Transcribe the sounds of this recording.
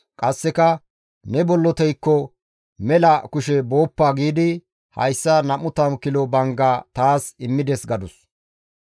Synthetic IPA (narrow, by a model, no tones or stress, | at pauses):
kʼɐsːɛkɐ | nɛbɔlːɔt̪ɛjkːɔ | mɛlɐkʊʃɛbo̞ːpːaːɡiːd̪ɪ | hɐ̰jsːɐnɐmʊt̪ɐmkɪlɔbɐŋɡaːt̪aːsɪmːɪd̪ɛsɡɐd̪ʊs